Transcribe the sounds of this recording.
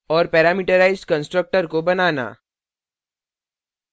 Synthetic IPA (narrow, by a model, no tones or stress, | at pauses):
ɔːɾpɛːɾaːmiːʈəɾaːɪzɖkə̃nsʈɾək̚ʈəɾkobɐnaːna̰ː